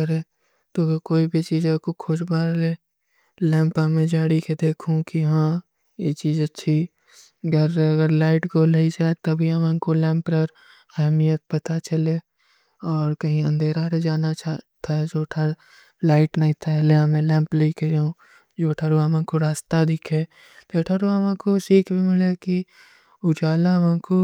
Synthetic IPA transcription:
əɾẽ | t̪obekoːibʱit͡ʃiːd͡ʒekokʰoʃbaːɾle | lɛ̃ːmpəmẽd͡ʒaːɽiked̪eːkʰũkiɦãː | jet͡ʃiːzət͡ʃt͡ʃʰʃʰi | ɡəɾɐɡəɾlaːɪʈkoleid͡ʒaːet̪ɐbʱiɦəmə̃nkolɛ̃ːmpɾəɾ | ɛɦmijət̪̚pɐt̪at͡ʃɐle | ɔːɾkɐɦĩə̃nd̪ʱeːɾaɾed͡ʒaːnat͡ʃat̪ʰaed͡ʒoːʈʰaɾ | laːɪʈnɐĩt̪ʰaleãmẽlɛ̃ːmpleikeɾeũ | d͡ʒoːʈʰaɾuamãkoɾaːst̪ad̪ɪkʰe | pʰeːʈʰaɾoamãkosiːkʰbʱimɪleki | ʊd͡ʒaːlamãko

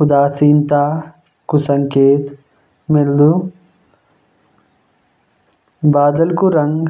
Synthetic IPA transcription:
xud̪aːsiːnt̪aː | kusɐŋkeːt̪ | meld̪u | baːd̪ɐlkuɾɐŋɡ

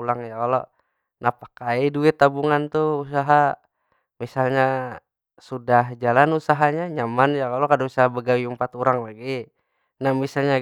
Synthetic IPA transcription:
ulaŋjakalo̰ | napḁkaiduɪt̪ːabuŋant̪uus̬aɦa | misalɲa | sudaɦd͡ʒalanusaɦaɲaɲamanjakalokadausaɦabəɡawiumpat̪uɾaŋlaɡi | nahmisalɲa

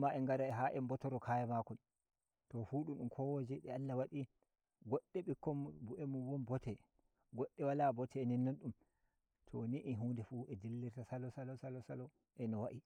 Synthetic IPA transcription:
maʔɛŋɡaɾaɛɦaʔɛmbɔtɔɾɔkʰajamakɔn | tɔfuɗumɗumkʰɔwod͡ʒɛɗɛalːawaɗi | ɡɔɗːɛɓikːɔmbuʔɛmuwɔnbɔtʰɛ | ɡɔɗːɛwalabɔtʰɛːnɛnːanɗum | tʰɔniʔiɦuːndɛfuʔɛdilːiɾtasalɔsalɔsalɔsalɔ | ʔɛnɔwaʔi

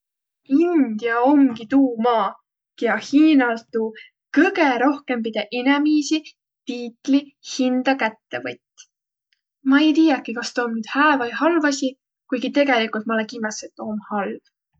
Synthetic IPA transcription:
ind̪̥jɑo̞mɡit̪uːmɑː | kiɑhiːnɑlt̪ːuː | kɤɡe̞ɾo̞hke̞mpid̪̥eʔinɛmiːsi | t̪iːt̪ˑlihind̪̥ɑkæt̪ːe̞vɤt̪ʲː | mɑejt̪iːjɑkːikɑst̪oːmnyːd̪̥hæːvɑjɦɑlvɑsʲi | kujɡit̪e̞ɡelikult̪mɑlekimɑsːet̪ːˑo̞ːmhɑlv̥

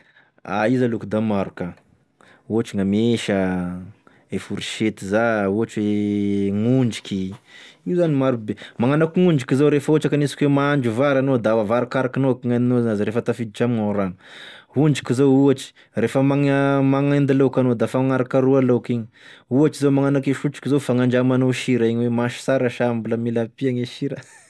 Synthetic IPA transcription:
a̰izalukud̪amaɾuka | uat͡ʃiŋameʃə | efuɾiʃet̪izauat͡ʃweŋund͡ʒi̥kʲiiuzanimaɾubemaŋanakuŋund͡ʒikizowɾefuat͡ʃakanisi̥kwemaaɳd͡ʒuvaɾanod̪aavaɾakaɾakanokiŋaninozanazɾefət̪afid̪it͡ʃamiŋanɾanuhuɳd͡ʒikʲizouat͡ʃi̥ | refəmaŋmaŋend̪ilokʲanod̪afaŋaɾakaɾualokiɲi̥ | uaʈ͡ʂizomaŋanakeʃuʈ͡ʂi̥kizofaŋaɳɖ͡ʐamanoʃiɾaiɲwemaʃi̥saɾəʃambuləmilapiaɲeʃiɾə

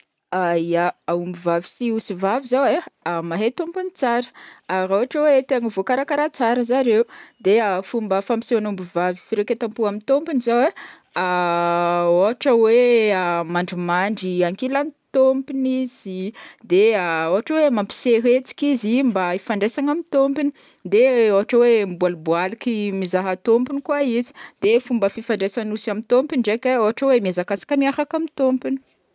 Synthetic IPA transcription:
aiaaumbivavi̥siuzivavizaweamaɦet̪ompunit͡saɾə̥aɾoɦaʈ͡ʂəwet̪eaŋəvokaɾakaɾat͡saɾəzaɾeud̪eafumbəfampisonumbivavifiɾekʲet̪ampuamint̪ompinizawe | a | oɦaʈ͡ʂəweəmaɳɖ͡ʐimaɳɖ͡ʐiaŋkelanit̪ompiniz̥id̪eaoɦaʈ͡ʂəwemampi̥seɾet͡si̥kizimbaifaɳɖ͡ʐesaŋamit̪ompini | d̪eoɦaʈ͡ʂəwembualbualikimizaɦat̪ompinikwaizi̥d̪̥efumbəfifaɳɖ͡ʐesanusamit̪ompiɳɖ͡ʐekʲaoɦaʈ͡ʂəwemiazakasḁkəmiafakamint̪ompini̥

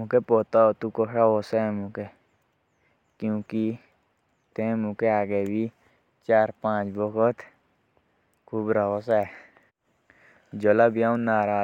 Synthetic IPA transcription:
mũkepoːt̪aot̪ukoʂaoːsɛːmũke | kjũːki | t̪ẽːmũkeaːɡeːbiː | t͡ʃaːɾpãːt͡ʃbɔkʰot̪ | kʰubɾaosɛː | d͡ʒolaːbiãːũnaːɾaː

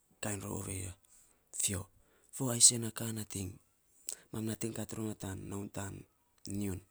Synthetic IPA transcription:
kajnɾo̰o̰βḛja | fio̞̰ | foajsenakanatiŋ | mamnatiŋkatɾunatanːawntanː | iun

